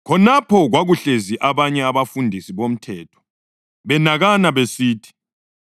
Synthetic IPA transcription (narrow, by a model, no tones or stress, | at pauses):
kʰɔnapʰɔɣwaɣuɬeziʔaβaɲɛaβafundʱisiβom̩tʰɛːtʰɔ̥ | βɛnaɣanaβesiːtʰi̥